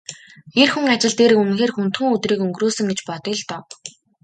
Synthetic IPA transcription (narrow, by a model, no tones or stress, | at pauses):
erxuŋat͡ɕɪ̆ɮt̪eːɾɘ̆kɵnɘ̆ŋxeːrxun̥t̪xɘ̆ŋɵt̪riːkɵŋɡroːsɵ̆ŋɡet͡ɕpɔt̪ɪ̆ɮt̪ɔw